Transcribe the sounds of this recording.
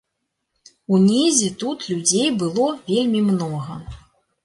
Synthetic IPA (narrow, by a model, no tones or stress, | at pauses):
unʲezʲit̪ut̪lʲud͡zʲejbɨlˠɔvʲelʲmʲimnɔɣɐ